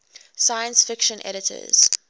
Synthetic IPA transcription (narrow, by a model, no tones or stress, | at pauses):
saɪə̃nsfɪkʃə̃nʔɛ̰ɾɪtʰə̰z̥